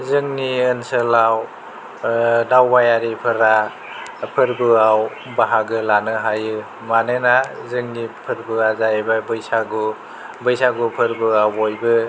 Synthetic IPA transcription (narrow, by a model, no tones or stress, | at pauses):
zɯŋniɯnsɯlaw | dawbajaɾipʰɯɾa | pʰɯɾbɯaw | baɦaɡɯlanɯɦajɯ | manɯnazɯŋnipʰɯɾbɯazaebabɯjsaɡu | bɯjsaɡupʰɯɾbɯawojbɯ